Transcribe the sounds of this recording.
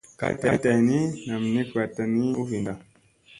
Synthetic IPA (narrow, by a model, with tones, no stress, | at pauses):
ka̰˦ta˦ta˨i˨ni˦na˨m̩˨ni˦kwa˨ta˨ni˦u˦vi˨nda˨